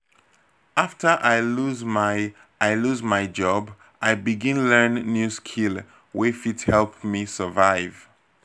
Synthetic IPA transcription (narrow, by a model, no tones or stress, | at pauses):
aftʰə˞ʔaɪluzmaɪ | aɪluzmaɪd͡ʒɔb | ʔaɪbiɡĩnlɜ˞nːjuskʰil | wifidhɛlˠp̚misəvaɪv